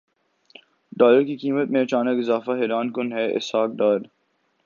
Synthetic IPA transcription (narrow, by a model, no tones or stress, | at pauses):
ɖɔːləɾkikiːmət̪mẽɐt͡ʃaːnəkɪzaːfaɦɛːɾaːnkʊnɦɛʔɪ̰shaːk̚ɖɔːləɾ